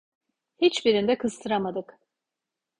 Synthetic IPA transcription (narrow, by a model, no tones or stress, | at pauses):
hit͡ʃbiɾind̪ɛkʰɯzt̪ʰɯɾamad̪ɯk